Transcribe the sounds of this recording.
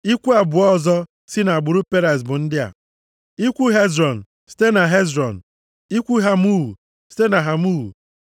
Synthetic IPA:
i˦kʷu˦a˨bʊ˨ɔ˦zɔ˦ | si˦na˨ɡ͡bʊ˨ɾu˦pe˦ɾa˨s̬bʊ˨n̩˦dɪ˦a̰˨ | i˦kʷu˦ɦe˦zɾɔ˨n̩˨ | si̥˦te˦na˨ɦe˦zɾɔ˨n̩˨ | i˦kʷu˦ɦa˦mu˦ɦu˨ | si̥˦te˦na˨ɦa˨mu˦ɦṵ˨

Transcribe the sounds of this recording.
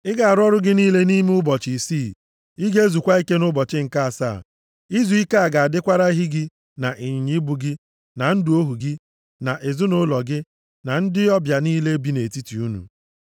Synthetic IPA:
ɪ˦ɡa˨a˨ɾɔ˦ɾʊ˦ɡɪ˦niː˦le˦ni˦m˦ʊ˦bɔ˨t͡ʃi˨siː˦˨ | i˦ɡe˦e˦zu˨kʷa˦i˦ke˦nʊ˦bɔ˨t͡ʃɪ˦ŋ̩˨ka˦a˨sa̰˦˨ | i˦zu˨i˦ka˦a˨ɡa˨a˨dɪ˦kʷa˦ɾa˦ɦi˦ɡɪ˦ | na˨ʔi˨ɲi˨ɲi˦bu˨ɡɪ˦ | na˨n̩˦dɪ˦o˦ɦu˨ɡɪ˦ | na˨ʔe˨zʊ˦nʊ˦lɔ˨ɡɪ˦ | na˨n̩˦dɪ˦ɔ˦bja˨niː˦le˦bi˦ne˨ti˦ti˨u˦nṵ˨

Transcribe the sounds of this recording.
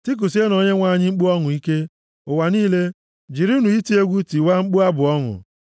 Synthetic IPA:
ti˦k̬u˨s̬e˦no˨ɲe˦ŋʷa˦˨ɲɪ˦ŋ͡m̩˦k͡pu˦ɔ˦ŋʊ˨i˦ke˦ | ʊ˨wa˨niː˦le˦ | d͡ʒi˨ɾi˦u˦nu˨i˦ti˦e˦ɡʷu˦ti˨wa˦ŋ͡m̩˦k͡pu˦a˦bʊ˨ɔ˦ŋʊ̰˨

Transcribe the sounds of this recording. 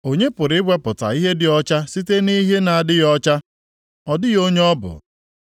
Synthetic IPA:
o˦ɲe˦pʊ˨ɾɪ˨˦ɡ͡be˦pʊ˨ta̰˨i˦ɦe˦dɪ˦ɔ˦t͡ʃa˦si˦te˦ni˦ɦe˦na˨a˨dɪ˦jɔ˦t͡ʃa˦ | ɔ˨dɪ˦jo˦ɲ˦ɔ˦bʊ̰˨

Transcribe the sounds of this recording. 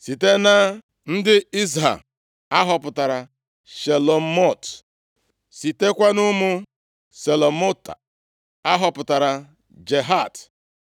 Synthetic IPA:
si˨te˦na˦ | n̩˦dɪ˦i˦z̬ɦa̰˨m | a˦ɦɔ˨pʊ˨ta˨ɾa˨ | ʃe˨lo˨m̩˦mɔ˦˨t | si˨te˦kʷa˦nʊ˦mʊ˦ | se˨lo˨mo˦ta̰˨ | a˦ɦɔ˨pʊ˨ta˨ɾa˨ | d͡ʒe˨ɦa˦˨t

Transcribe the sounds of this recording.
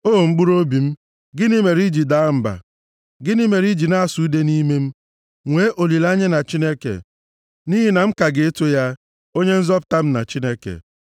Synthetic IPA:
oː˦˨m̩˦ɡ͡bu˦ɾo˦bi˨m̩˦ | ɡɪ˦ni˦me˨ɾi˦d͡ʒi˨da˨˦m̩˨ba̰˨ | ɡɪ˦ni˦me˨ɾi˦d͡ʒi˨na˦a˦˨su˨˦de˦ni˦me˦m̩˦ | ŋʷe˦˨˦ʔo˨li˨la˦ɲe˦na˨t͡ʃi˦ne˦kḛ˨ | ni˦ɦi˦na˨ŋ͡m̩˦ka˨ɡe˨e˦to˦ja˦ | o˦ɲe˦n̩˦zɔ˦p̬ʊ̥˦ta˦m̩˦na̰˨t͡ʃi˦ne˦kḛ˨

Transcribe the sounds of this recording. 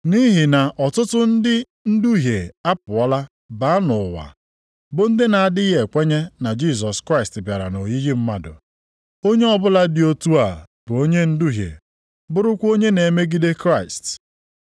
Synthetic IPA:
ni˦ɦɪ˨na˨ʔɔ˨tʊ˦tʊ˦n̩˦dɪ˦ | n̩˦du˦ɦje˨a˦pʊ˨ɔ˦la˦ | ba˨˦a˦nʊ˨wa̰˨ | bʊ˨n̩˦dɪ˦na˨a˨dɪ˦ɦe˨kʷe˦ɲe˦na˨d͡ʒi˦˨s̬ɔ˨skɾa˦i˨stbja˨ɾa̰˨no˨ji˦ɣi˦m̩˦ma˦dʊ̰˨ | o˦ɲe˦ɔ˦bʊ˦la˦dɪ˨˦o˦tu˦a˨ | bʊ˨o˦ɲe˦n̩˦du˦ɦjḛ˨ | bʊ˦ɾʊ˦kʷo˦ɲe˦ne˨me˦ɡi˦de˦kɾa˦ɪ˨st

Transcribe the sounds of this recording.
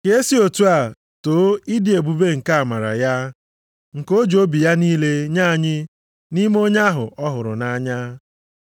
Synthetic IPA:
ke˦e˦si˦o˨tu˦a˨ | toː˨˦i˦di˨e˨bu˨be˦ŋ̩˨ka˦a˨ma˨ɾa̰˨ja˦ | ŋ̩˨ko˦d͡ʒo˦bi˨ja˦niː˦le˦ɲa˦a˦˨ɲɪ˦ | ni˦mo˦ɲa˦a˦ɦʊ̰˨ʔɔ˦ɦʊ˨ɾʊ̰˨na˦ɲa˦

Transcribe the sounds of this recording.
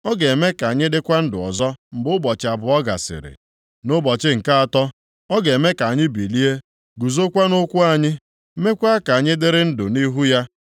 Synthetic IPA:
ɔ˦ɡe˨e˨me˦ka˨a˨ɲɪ˦dɪ˦kʷa˦n̩˦dʊ˨ɔ̰˨zɔ˦m̩˨bʊ˦bɔ˨t͡ʃɪ˨a˨bʊ˨ɔ˦ɡa̰˨sɪ̰˨ɾɪ̰˨ | nʊ˦bɔ˨t͡ʃɪ˦ŋ̩˨ka˦a˨tɔ˦ | ɔ˦ɡe˨me˦ka˨ɲɪ˦bi˨li˦e˦ | ɡu˨zo˦kʷa˦nʊ˦kʷʊ˦a˨ɲɪ˦ | me˦kʷa˦a˦ka˨ɲɪ˦dɪ˦ɾɪ˦n̩˦dʊ̰˨ni˦ɦu˦ja˦

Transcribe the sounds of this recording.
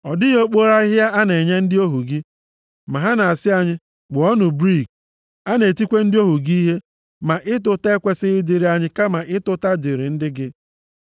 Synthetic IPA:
ɔ˨dɪ˦jo˦k͡po˦ɾa˦ɪ˦ɦa˦a˦ne˨ɲe˦n̩˦dɪ˦o˦ɦu˨ɡɪ˦ | ma˨ɦa˦na˨a˨sɪ˦a˦ɲɪ˦ | ɡ͡bʊ˨ɔ˦nʊ˨bɾi˦˨k̚ | a˦ne˨ti˦kʷe˦n̩˦dɪ˦o˦ɦu˨ɡi˦ɦe˦ | ma˨ʔɪ˦tʊ˦te˦kʷe˦sɪ˦ɪ˦dɪ˨ɾi˦a˦ɲɪ˦ka˦ma˨ʔɪ˦tʊ˦ta˦dɪ˨ɾɪ˨n̩˦dɪ˦ɡɪ˦

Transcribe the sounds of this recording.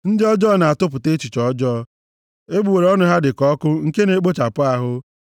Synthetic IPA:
n̩˦dɪ˦ɔ˦d͡ʒɔː˦˨na˨a˨tʊ˦pʊ˨te˦t͡ʃi˨t͡ʃɔ˦d͡ʒɔ˦ | e˦ɡ͡bu˨we˨ɾe˦ɔ˦nʊ˦ɦa˦dɪ˨kɔ˦kʊ˦ŋ̩˨ke˦ne˨˦k͡po˦t͡ʃa˨pʊ˦a˦ɦʊ˦

